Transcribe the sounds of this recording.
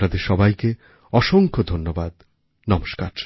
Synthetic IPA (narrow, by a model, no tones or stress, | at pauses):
nad̪eɾʃɔbajke | ɔʃoŋkʰod̪ʱonːobad̪ | nɔmoʃkaɾ